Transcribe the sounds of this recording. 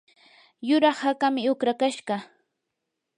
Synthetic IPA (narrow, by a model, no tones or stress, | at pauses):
jʊɾɑχhakamɪʊkɾakaʃɢɑ